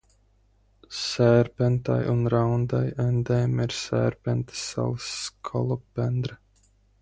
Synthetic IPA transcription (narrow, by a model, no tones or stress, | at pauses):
ssæːɾpʲɛnt̪a̰junɾawnd̪ajɛnd̪ɛːmiɾsæ̰ːɾpʲɛnt̪sa̰lˠɨsːkʰɔlˠɔbɛnd̪ɾɨ